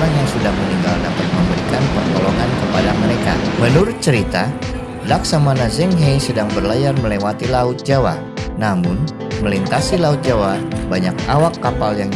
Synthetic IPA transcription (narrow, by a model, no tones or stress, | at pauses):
anɲasudahməniŋɡaldapat̪̚məmbəɾikanpərt̪oloŋankəpadaməɾeka̰mənuɾʊt̪̚t͡ʃəɾit̪a | laksamanazɛŋɦejsədaŋbərlajarməlewat̪ilaʊt̪̚d͡ʒawa̰ | namʊn | məlint̪asilaʊt̪̚d͡ʒawabaɲak̚awakːapaljaŋ